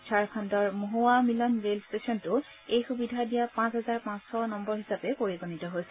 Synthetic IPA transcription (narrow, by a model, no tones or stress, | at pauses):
saɹkʰandɔɹmoɦowamilɔnɹelstesɔntʊ | ejxubidʱadijapãsɦɛzaɹpãsxɔnɔmbɔɹɦisapɛpoɹiɡonitɔɦojsɛ